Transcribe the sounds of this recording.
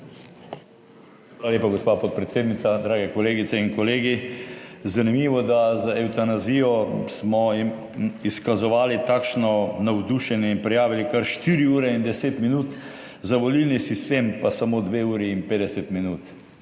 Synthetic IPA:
xʋaːlaleːpaɡospapɔt̪̚pɾɛt̪seːd̪nit̪sad̪ɾaːɡɛkɔleːɡit̪sɛinkɔleːɡi | zanimiʋɔd̪azaɛwt̪anazijɔsmɔim | iskazɔʋaːlit̪aːkʃnɔnawd̪uʃɛnjɛinpɾɛjaːʋilikaɾʃt̪iɾiuːɾɛind̪ɛseːt̪minuːt̪ | zaʋɔlilnisist̪eːmpasamoːd̪ʋeuːɾiːnpeːd̪ɛsɛt̪minuːt̪

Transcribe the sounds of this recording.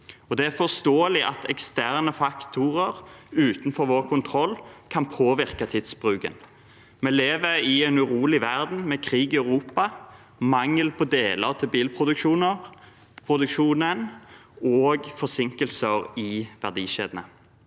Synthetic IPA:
ɔd̪ɛæʁfɔʁst̪oːəlɪʔɑ̰t̪ɛkst̪æʁnəfɑkt̪ʰʊʁəʁʉːt̪nfɔɾʋoːʁkʰʊnt̪ʰɾɔlːkʰɑnpʰoːʋɪʁkɑt̪ʰɪd̪sbʁʉːkə̰n | mɛːleːʋəɾɪɛnʉʁuːlɪʋæʁd̪n̩mɛkʰʁiːɡɪœʉʁuːpɑ | mɑŋːəlpʰɔd̪eːləɑt̪ʰɛbiːlpʰʁʊd̪ʉkʃuːnəʁ | pʰʁʊd̪ʉkʃuːnənoːɡfɔsɪŋkəlsəʁɪʋæʁd̪iːʃḛːd̪ənə̰

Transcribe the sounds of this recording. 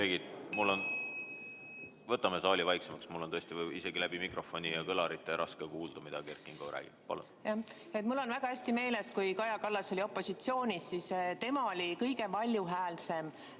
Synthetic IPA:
eːɡid̪̥mulːo̞n | vɤt̪ːˑɑme̞sɑːlʲivɑjksemɑksmulːonɤest̪iise̞ɡilæb̥imikro̞fo̞nʲijɑkɤlɑɾit̪ːˑeɾʔɑskekuːld̪̥ɑmid̪̥ɑkerkːˑiŋɡ̥orʔæ̰ːɡ̥ḭb̥pɑ̰lṵnjɑ | et̪mulːo̞nvæɡ̥ɑhæsʲt̪ime̞ːle̞skujkɑjɑkɑlːɑso̞lio̞pːo̞sʲit̪sio̞ːnʲisːist̪e̞mɑo̞lʲikɤjɡe̞pɑlʲjuɦæːlse̞m

